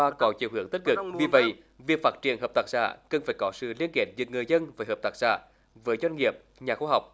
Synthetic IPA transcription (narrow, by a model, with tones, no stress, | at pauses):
aː˧kɔ˨˦t͡ɕḭ˨˧˨əwɦɨ˨˦əŋt̪i˦˥t̚kɨ˨˩kvi˨˩və̰˧˨j | vi˨˩ək̚faː˦˥t̚t͡ɕḭ˧˨ənɦəː˨˩p̚t̪aː˧˩k̚sa̰ː˧˥kə˨˩nfaː˧˩˦jkɔ˨˦sɨ̰˧˨li˧ənke˨˧˩t̚zɨ˨˩k̚ŋɨ˨˩əjzə˧nvəː˨˦ɦəː˨˩p̚t̪aː˧˩k̚sa̰ː˧˥ | vəː˨˦jzwa˧jŋ̟ŋi˨˩əp̚ | ɲaː˨˩xuː˧ɦa˨˩wk͡p̚